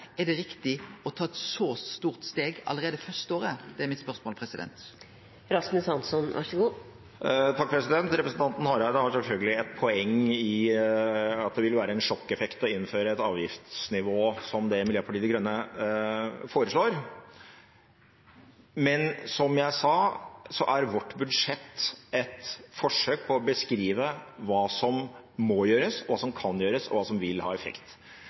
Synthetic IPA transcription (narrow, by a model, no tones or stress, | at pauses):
ɛɖɛɾɪkt̪ɪɔt̪ʰɑːɛt̪sɔst̪uːʁt̪st̪eːɡɑ̰lːəɾeːd̪əfœʁst̪oːɾəd̪̥ɛæmɪt̪spœʁsmoːlpʰɾɛsɪd̪ɛ̰nt̪ | ɾɑsmɪsɑnsɔnʋæ̰ʂɔɡuː | t̪ʰɑkfɔɾɛsɪd̪ɛnt̪ɾɛpɾəsn̩t̪ʰɑnt̪n̩hɑːɾɑɪd̪əhɑɾʂɛlfœlɡəlɪɛt̪̚pʰɔɛŋːɪ | ɑt̪̚d̪ɛʋɪlʋæːɾəɛnʂɔkːɛfɛkt̪ɔɪnːføːɾəɛt̪ɑːʋjɪft̪snɪʋoːsɔmd̪ɛmɪljøːpʰɑʈiːd̪əɡɾœnːə | foːɾəʂɭoːɾ | mɛnsɔmjæɪsɑːsɔʔæɾʋɔʈːbʉd̪ʂɛt̪ːɛt̪fɔʂøːk̚pʰɔɔbəskɾiːʋəʋɑːsɔmː | ɔjøːɾəsɔʋɑːsɔmkʰɑnjøːɾəsɔ̰ʋɑːsɔmʋɪlhɑ̰ːɛfɛ̰kt̪